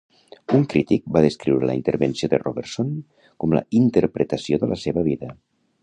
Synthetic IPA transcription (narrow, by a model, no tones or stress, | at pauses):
uŋkɾit̪ik̚baðəskɾiwɾələ̰int̪əɾβənsioðəroβeɾsoŋ | kɔmlə̰int̪əɾpɾət̪əsioðəlʔəseβəβ̞iðə